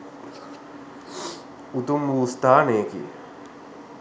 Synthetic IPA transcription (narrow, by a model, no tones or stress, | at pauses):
ut̪umbuːst̪aːneːkḭ